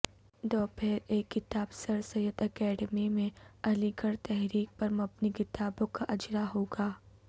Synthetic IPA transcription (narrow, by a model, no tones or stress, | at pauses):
d̪ɔːpʰeːɾeːkːɪt̪aːbsɐɾsɐjət̪ɐkɛːɖəmimẽɐliɡəɾt̪ɛɦɾiːk̚pɐɾmɐbnikɪt̪aːbõkaʔɐd͡ʒɾaɦoːɡaː